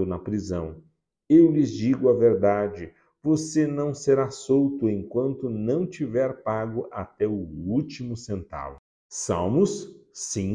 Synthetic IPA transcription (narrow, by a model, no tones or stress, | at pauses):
ʊnɐpɾizɐ̃w̃ | ewlɪzd͡ʒiɡʊɐveɾd̪ad͡ʒɪ | vosenɐ̃w̃seɾasowt̪ʊẽj̃kwɐ̃nt̪ʊnɐ̃w̃t͡ʃivɛɾpaɡʊʔat̪ɛʊut͡ʃimʊsẽnt̪a̰l | sawmʊssĩ